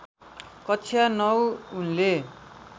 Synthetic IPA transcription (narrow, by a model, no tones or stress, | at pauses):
kʌt͡sʰjanʌwunle